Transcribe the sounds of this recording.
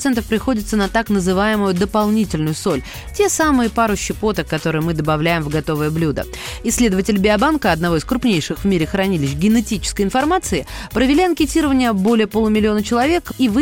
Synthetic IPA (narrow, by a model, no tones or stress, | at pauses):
t̪sɛnt̪əfpɾʲɪxo̞dʲɪt̪sənɐt̪aknəzɨvajɪmʊjʊd̪əpɐlˠnʲitʲɪlʲnʊjʊso̞lʲ | tʲe̞samɨjəpaɾʊɕːɪpo̞t̪əkːɐt̪o̞ɾɨjmɨd̪əbɐvlʲæjɪmvɡɐt̪o̞vəjəblʲud̪ə̰ | ɪsʲːlʲe̞d̪əvətʲɪlʲbʲɪɐbankəɐd̪nɐvo̞ɪskɾʊpnʲejʂɨxvmʲiɾʲɪxɾɐnʲilʲɪɕ̬ɡʲɪnɛtʲit͡ɕɪ̥skəjɪnfɐrmat̪sɨɪpɾəvʲɪlʲiɐnkʲɪtʲiɾəvənʲɪjəbo̞lʲɪjəpo̞lˠʊmʲɪlʲɪo̞nət͡ɕɪlˠɐvʲe̞kivɨ